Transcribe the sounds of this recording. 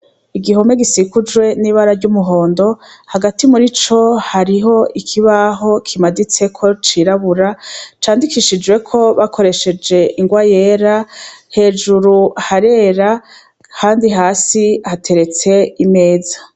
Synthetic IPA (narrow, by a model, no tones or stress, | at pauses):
iɡiɦo̞me̞ɡisikud͡ʒwe̞niβaɾaɾɟumuɦo̞ːndo̞haɡatimuɾit͡ʃo̞haɾiɦo̞ʔikʰiβaɦo̞kʰimadit͡se̞kʰo̞t͡ʃiɾaβuɾat͡ʃaːndikiʃid͡ʒwe̞kʰo̞βakʰo̞ɾe̞ʃe̞d͡ʒe̞ʔiŋɡwaje̞ːɾahe̞ːd͡ʒuɾuhaɾe̞ːɾa | kaːndiɦaːsihatʰe̞ɾe̞t͡se̞ime̞ːza